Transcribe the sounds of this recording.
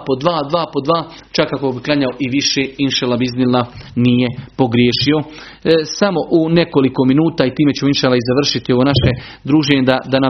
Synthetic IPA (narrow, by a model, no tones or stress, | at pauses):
pod̪ʋaːd̪ʋaːpo̞d̪ʋaː | t͡ʃakːakobiklˠaɲaoʔiʋiʃeːinʃelabiznilanije̞po̞ɡɾjeːʃio̞ | samo̞ʔune̞ko̞liko̞minuːt̪aːit̪iːme̞t͡ɕeminʃelaizaʋr̩ʃit̪io̞ʋonaʃe̞ | d̪ɾuːʒeːɲed̪ad̪ana